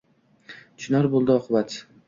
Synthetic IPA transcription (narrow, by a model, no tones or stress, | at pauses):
t͡ʃʰʊnaɾbolˠd̪ɪɒqʰʊbat̪